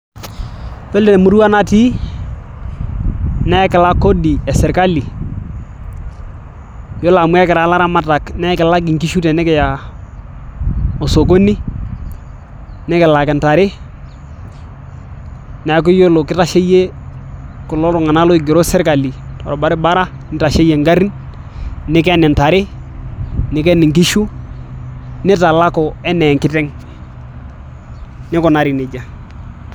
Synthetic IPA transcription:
fe˦ldɛ˨n˨mu˦ɾu˦wa˦na˦ti˦ | nɛ˦kɪ˨la˦ko˦di˨ɛ˨sɛ˨ɾka˦li˨ | jo˦la˨mʊ˦ɛ˦kɛ˨ɾa˨˦la˦ɾa˦ma˦ta˨knɛ˦kɪ˨la˦ɡɪ˨ŋki˦ʃu˦te˨nɛ˦kɛ˨ja˨ | o˨so˨k̬o˦ni˦ | nɛ˦kɛ˨la˨kɛ˨nta˨ɾɪ˦ | na˨˦k̬u˦jo˦lo˨kɪ˦ta˦ʃe˦je˦ | ku˨lo˦ɾɔ˨ŋa˨na˦lo˦ɪ˨ɡi˨ɾo˦sɛ˦ɾka˨li˨tɔ̰˨ɾɔ˨ba˦ɾe˦ba˦ɾa˦ | nɪ˦ta˨ʃe˦je˨ŋɡa˦ɾi˦n | nɪ˦ke˦nɛ˨nta˨ɾɪ˦ | nɪ˦kɛ˦nɪ˨ŋk̬i˦ʃu˦ | nɪ˦ta˨la˦ko˨ɛ˦nɛ˨ŋkɪ˦tɛ˦ŋ | nɪ˦kɔ˨na˨ɾi˨nɪ˨d͡ʒa˨

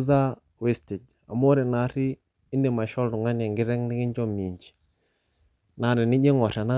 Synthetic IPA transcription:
za˦ | we˦stɪ˨d͡ʒ | a̰˨mɔ˦ɾɛ˨na˨ɾɪː˦ | ndi˨ma˨ʃɔ˦ldu˨ŋa˦nɛ˨ŋɡɪ˦ɾɛ˦ŋnɪ˦ɡɪ˦ɲd͡ʒɔ˦mi˨ɲd͡ʒi̥˨ | na˨ɾɪ˨nɪ˦d͡ʒe˦ŋɔ˨ɾɛ˨na˦

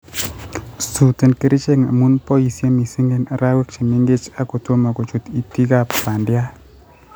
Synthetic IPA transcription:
su˨te˨nke˦ɾi˦t͡ʃe˦ŋa̰˨mu˦npɔ˦i˨sje˦mi˨si˦ŋɡe˦˨na˨ɾa˦we˦k̚t͡ʃi˨me˦ŋɡe˦t͡ʃa˦ko˨to˦ma˨ko˨t͡ʃu˨ti˨ti˦ka˦ppa˨ndja˦

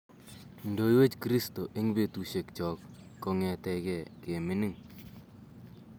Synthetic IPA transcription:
ndo˨i˦we˦t͡ʃkɾi˦sto˨ʔe˦ŋ˦be˨tu˨ʃe˨kt͡ʃɔ˨kː | ɔ˨ŋɛ˨tɛ˨kɛ˨ke˨mɪ˦nɪ˦ŋ

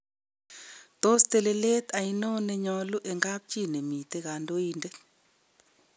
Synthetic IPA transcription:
t̪o˦st̪ɛ˨lɛ˨le˦t̪a˨ji˦nɔ˦nɛ˨ɲɔ˨lu˦ʔɛ˨ŋɡa˦p̚t͡ʃʼi˦˨ne˨mi˨tɛ˦ɣa˨ndo˦iːndɛ˦

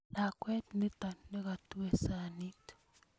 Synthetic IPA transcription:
na˨kwe˦tni˦t̪a˨n˦ne˦ka˨tu˦we˨sa˨ni˦to̥

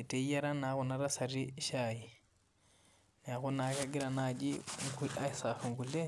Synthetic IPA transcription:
i˨te˨˦ja˦ɾa˦na˨˦ku˨na˦ɾa˦sa˨ɾi˦ʃa˨ji˨ | na˨ku˦na˨ka˦ɡi˦ɾa˨nad͡ʒi˦ŋku˦la˦sa˨fu˨ŋɡu˨le˦

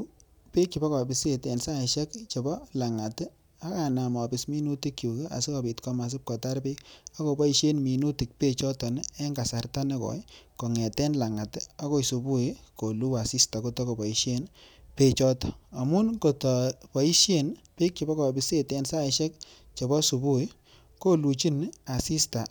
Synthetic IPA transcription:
pe˦kt͡ʃi˨bɔ˦kɔ˨bi˨se˨tɛ˨nsa˦˨ʃɛ˦kt͡ʃɔ˨bɔ˦la˨ŋa˨t | a˦ka˨na˨ma˨pɪ˨smi˦nu˦ti˦kːju˨ke˦a̰˨si˦ka˨pi˨tkɔ˦ma˨s̬ɪ˦p̚kɔ˨ta˦ɾpe˦ka˦ko˨bɔ˦i˦ʃe˦nmi˨nu˦ti˨k̚pe˦t͡ʃɔ˦tɔ˨nɛ˦ŋɡa˨sa˨rta˦ne˦kɔ̰˨˦kɔ˨ŋɛ˨tɛ˦nla˨ŋa˨ta˦ko˦su˨bu˦i˦ko˨lu˦a˨si˦sta˨ko˨tɔ˦ko˨bɔ˨i˨ʃje˦npe˦t͡ʃɔ˦tɔ˨a˨mu˦nko˨tɔ˨pɔ˨i˦ʃje˦npi˦k̚t͡ʃɔ˨bɔ˦kɔ˨bɪ˨se˦tɛ˧nsa˦ʃɛ˦k̚ | t͡ʃɔ˨bɔ˦su˨bu˦i˦ | ko˦lu˨t͡ʃi˦na˨si˦sta˨

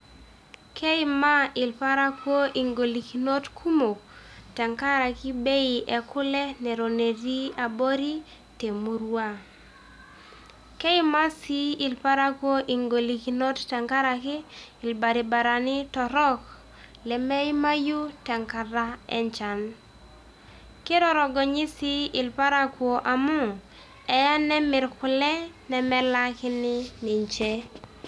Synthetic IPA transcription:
kʰe˦ɪ˦ma˦ɪ˨lpa˦ɾa˦kwo˦ʔi˨ŋɡo˨li˨ki˨no˦tkʰu˦mo˨ta˨ŋka˦ɾa˨kɪ˦be˦i˨ʔɛ˨kʊ˦lɛ˦nɛ˨ɾo˨ne˨ɾi˦a˨bo˦ɾi˦ | te˨mu˨ɾwa˦ | ke˦ɪ˦ma˦si˦ɪ˨lpa˦ɾa˦kwo˦ʔi˨ŋɡo˨li˨ki˨no˦tta˨ŋka˦ɾa˨kɪ˦ɪ˨lba˨ɾi˨ba˨ɾa˨nɪ˦tɔ˨ɾɔ˦k | lɛ˨mɛ˦i˦ma˦ju˦tɛ˨ŋka˨ɾa˦ɛ̰˦ɲt͡ʃa˨n | kɪ˦ɾɔ˦ɾɔ˨ɡɔ˨ɲɪ˦si˦ɪ˨lpa˦ɾa˦kwo˨ʔa˨mʊ˦ | ɛ˨ja˦nɛ˦mɪ˨ɾkʊ˨lɛ˦nɛ˨mɛ˦la˦kɪ˦nɪ˦nɪ˨ɲt͡ʃɛ˦

